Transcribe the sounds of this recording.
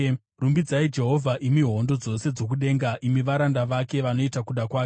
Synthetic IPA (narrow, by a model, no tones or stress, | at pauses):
rumbid͡zaid͡ʒe̞ɦo̞vʱaʔimiɦo̞ndo̞d͡zo̞se̞d͡zo̞k̬uɗe̞ːŋɡaʔimiʋaɾandaʋake̞ʋano̞itakuɗakwaːke